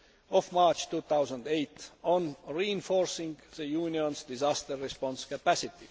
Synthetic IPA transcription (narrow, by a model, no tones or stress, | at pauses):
ofmɑːt͡ʃt̪uːt̪awsənd̪ejt̪onɹiinfoɾsĩŋɡðəjuːniõnsd̪̥izɑst̪əɾːespõnskæpæsit̪i